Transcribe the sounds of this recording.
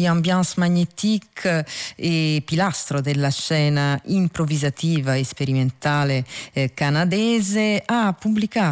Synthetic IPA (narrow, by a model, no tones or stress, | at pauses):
iambjansmaɲːet̪ikʰ | epːilast̪ɾod̪elːaʃɛːnaimpɾovizat̪iːvaespeɾiment̪aːlekanad̪ɛːzeapːublika